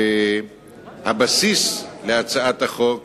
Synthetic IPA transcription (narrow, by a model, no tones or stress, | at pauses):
habasisleat͡saat̪aχok